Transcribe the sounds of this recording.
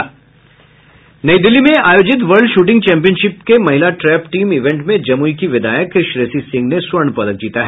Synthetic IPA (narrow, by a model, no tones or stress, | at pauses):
nɐid̪ɪlːimẽaːjoːd͡ʒɪt̪̬ʋɐɾɖʃuːʈɪ̃ŋɡ̚t͡ʃɛ̃ːmpijənʃɪp̚kemɐɦɪlaʈɾɛːpʈiːmɪʋẽɳʈmẽd͡ʒɐmuikiʋɪd̪a̰ːjəkʃɾeːsisɪ̃ŋɡneswɐɾɳpɐd̪ək̚d͡ʒiːt̪aɦɛː